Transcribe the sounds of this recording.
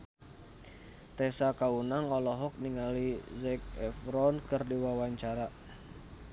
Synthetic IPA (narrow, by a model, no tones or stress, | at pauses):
t̪ɛsakaunaŋɔlɔɦɔk̚niŋalizɛk̚ɛfɾɔnkɨrdiwawaɲt͡ʃaɾa